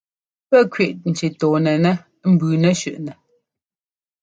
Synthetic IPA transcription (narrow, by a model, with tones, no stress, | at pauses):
pɛ˦kɥi˦˨ʔn̩˨t͡ʃi˨tɔː˨nɛ˨nɛ˦ | m̩˦˨bʉː˨nɛ˦ʃʉ˦˨ʔnɛ˨